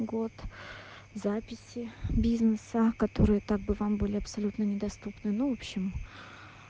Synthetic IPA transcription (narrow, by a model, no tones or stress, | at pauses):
ɡo̞t̪ | zapʲɪsʲɪbʲiznɨsəkɐt̪o̞ɾɨjət̪aɡ̚bɨvambɨlʲɪɐpsɐlʲut̪nənʲɪd̪ɐst̪upnɨnuvopɕːɪm